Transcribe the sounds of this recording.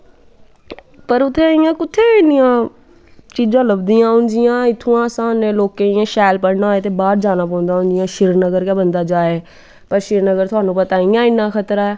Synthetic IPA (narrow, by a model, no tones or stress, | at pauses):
pəɾʊt̪ʰːeɪjãːkʊt̪ʰːeɪnɪjãː | t͡ʃiːd͡ʒãːləbd̪ijãːɦʊ̃nd͡ʒɪjãːɪt̪ʰuãːsãːnẽloːkeɪẽʃaːlpəɽnaet̪̬ebaːɾd͡ʒaːñãpɐ̃ːnd̪aːɦʊ̃nd͡ʒɪjãːʃɪɾnəɡəɾkãːbə̃nd̪ad͡ʒaːeː | pəɾʃɪɾnəɡəɾt̪ʰʊaːnũːpɐt̪aːɪ̃jãɪnãxət̪ɾaɛː